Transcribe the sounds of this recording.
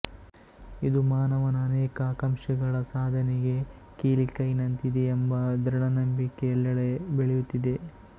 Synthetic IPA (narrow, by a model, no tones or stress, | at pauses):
id̪umaːnɐʋɐnɐːnɛːkɐaːkɐmʃɐɡɐɭɐsaːd̪ʱɐneɡe̞ | kiːlikɐjnɐnt̪id̪eːmbɐd̪ɾɐɳɐnɐmbikːeːlːɐɭebeɭejut̪ːid̪e̞